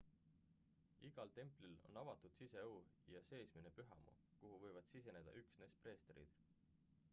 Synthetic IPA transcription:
iɡ̥ɑlt̪e̞mplilo̞̰nɑvɑt̪ːˑud̪̥sise̞uw | jɑse̞ːsmine̞pyɦɑ̰mṵ | kuɦuvɤ̞jvɑd̪̥sise̞ne̞d̪̥ɑ̰ʔyksneːspre̞ːst̪eɾḭd̪̥

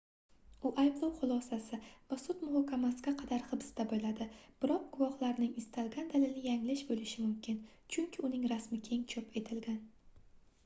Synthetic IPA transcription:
ʊʔajblˠɒwχʊlˠɒsasɪvasʊt̪mʊhɒkʲʰːamasɪɡʲaqʰɑd̪aɾχɨb̥sd̪abolad̪ɪb̥ɪɾɒq̚ɡ̥ʊvɒhlˠaɾnɪŋɪst̪ʰalɡʲand̪alɪlnɪjaŋlɪʃbolɪʃɪmʊmkʲɪn | t͡ʃʰʊŋkʲʰɪʊnɪŋɾasmɪkʲʰe̞ŋt͡ʃʰopʰe̞t̪ʰɪlɡʲan

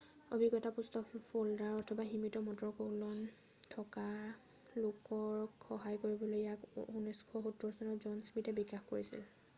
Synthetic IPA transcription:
obʱiɡɔtapustɔfuldaɹɔtʰɔbaximitɔmɔdɹɔkolɔn | tʰɔka | lʊkɔɹxɔɦajkoɹibɔlojjakunɔskʰɔxutːɔɹsɔnɔzɔnsmitɛbikaxkoɹisḭl

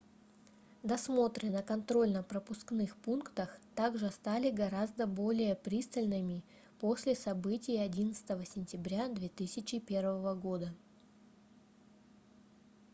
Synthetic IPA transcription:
d̪ɐsmo̞t̪ɾʲɪnəkɐnt̪ɾo̞lʲnəpɾəpʊsknɨxpunkt̪əxt̪aɡʐɨst̪alʲɪɡɐɾazd̪əbo̞lʲɪjəpɾʲist̪əlʲnɨmʲɪ | po̞sʲlʲɪsɐbɨtʲɪjɐdʲinət̪sɨ̥t̪əvəsʲɪnʲtʲɪbɾʲad̪vʲe̞t̪ɨsʲɪt͡ɕɪpʲe̞rvəvəɡo̞d̪ə

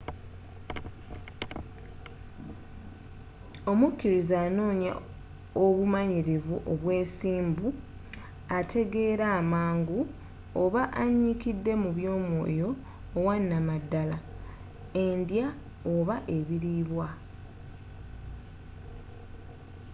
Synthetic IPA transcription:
o̞mukːiɾizaːno̞ːɲa̰ | oβumaɲiɾevuʔoβwe̞ːsiːmbu | atʰe̞ɡe̞ɾaːmaːŋɡu | oβaʔaɲːikidːe̞muβjo̞ːmwo̞̰ːjo̞ː | wanːamadːala | e̞ndja | oβaʔe̞βiɾiβwa

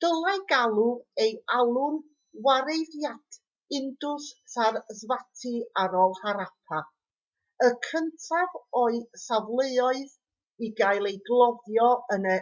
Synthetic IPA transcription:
d̥əlˠaɨɡalˠuejalˠʊn | waɾejðjatʰ | ɪndʊssarzvatʰiaɾɔlˠhaɾapʰa | əkʰəntʰavɔɨsavlˠejɔɨð | iɡajlˠejɡlˠɔðjɔənə

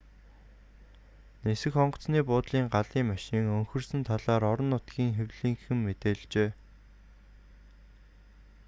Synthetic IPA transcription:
nesɘ̆xχɔɴɢɞ̆t͡sniːpʊːt̪ɮiːŋɢaɮiːŋmaʃiːŋɵŋxɵ̆rsɘ̆nt̪ʰaɮaːɾɔɾɞ̆nːʊt̪ɡiːŋxewɮiːŋxɘ̆mmet̪eːɮt͡ɕeː

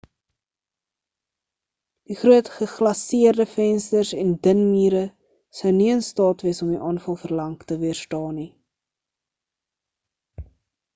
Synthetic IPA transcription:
d̥iχruətχəχlɐsiərdəfɛnstərsɛndənmiːɾə | səwniənstɑːtviəsɔmdiʔɑːnfɐlˠfərlɐŋktəviərstɑːni

